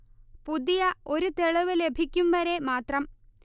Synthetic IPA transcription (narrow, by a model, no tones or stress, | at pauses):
pud̪ijɐo̞ɾut̪eɭɐʋɨle̞bʱikʲːumʋɐɾe̞maːt̪rɐm